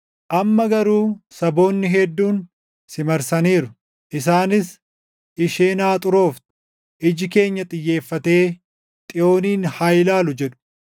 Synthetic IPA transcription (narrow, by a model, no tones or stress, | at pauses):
ʔɐmːɐɡɐɾuːsɐbo̞ːnːɪɦɛd̪ːuːn | sɪmɐɾsɐniːɾʊ̥ | ʔɪs̬aːnɪs | ɪʃeːnaːt̪ʼʊɾo̞ːft̪ | ʔɪd͡ʒɪke̞ːɲːɐt̪ʼɪjːe̞ːfːɐt̪e̞ː | t̪ʼɪo̞ːniːnhajlaːlʊd͡ʒɛᶑʊ̥